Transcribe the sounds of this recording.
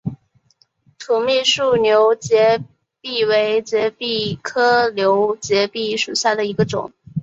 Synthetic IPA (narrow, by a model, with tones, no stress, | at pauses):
t̪ʰu˨˧˥mi˥˧ʂu˥˩njo˧˥ʊt͡ɕjɛ˧˥ | pi˥˩we˧˥ɪt͡ɕjɛ˧˥pi˥˩kʰɤ˥ljo˧˥ʊt͡ɕjɛ˧˥pi˥˩ʂu˨˩ɕja˥˩d̪ə˩i˧˥ɡə˧ʈ͡ʂʊ̰˨˩˦ŋ